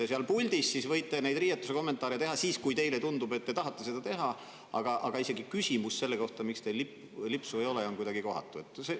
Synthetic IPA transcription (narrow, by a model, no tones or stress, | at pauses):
eseɑlpulʲd̪̥isːisvɤ̞jt̪ːˑe̞nejd̪riːjɑt̪ːˑuse̞ko̞mːe̞nt̪ˑɑːɾet̪e̞ɦɑsiːskujt̪e̞jlet̪und̪ube̞t̪ːe̞t̪ɑɦɑt̪ˑːese̞d̥̪ɑt̪e̞ɦɑ | ɑ̰ɡ̥ɑʔɑɡ̥ɑise̞ɡikysʲimusse̞lːeko̞ht̪ɑmikst̪elip | lipsuejo̞leo̞nkujd̪ɑɡiko̞̰hɑ̰t̪ːˑue̞t̪ːˑse